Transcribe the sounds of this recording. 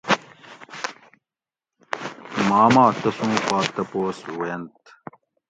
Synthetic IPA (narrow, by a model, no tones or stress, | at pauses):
maːmaːʈ̪ɐsũːpaːt̪ɐpoːswɐnt̪